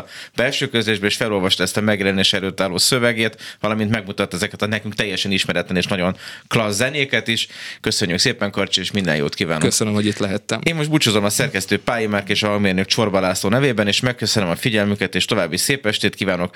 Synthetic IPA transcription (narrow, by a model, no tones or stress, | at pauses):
b̥ɛlʃøːkøzleːʒbɛeːʃfɛlo̞lvɒʃt̪ɒɛst̪ɒmɛɡjɛlɛneːʃɛløːt̪ːaːloːsøvɛɡeːt̪vɒlɒmint̪mɛɡmut̪ɒt̪ːɛzɛkɛt̪ɒnɛkyŋk̚t̪ɛjːɛʃɛniʃmɛɾɛt̪lɛneːʃnɒɟo̞nklɒzːɛneːkɛt̪iʃkø̞søɲːykseːpɛŋkɒrt͡ʃieːʃmind̪ɛ̰jo̰ːt̪kiːvaːnokøsønømhoɟit̪lɛɦɛt̪ːɛmeːmːo̞ʃt̪but͡ʃozo̞mɒsɛrkɛst̪øːpaːjimarkeːʃɒɦɒŋɡmeːrnøkʃo̞rbɒlaːsloːnɛveːbɛneːʃmɛkːøsønømɒfiɟɛlmykɛt̪eːʃt̪o̞vaːbːiseːpɛʃt̪eːt̪kiːvaːno̞k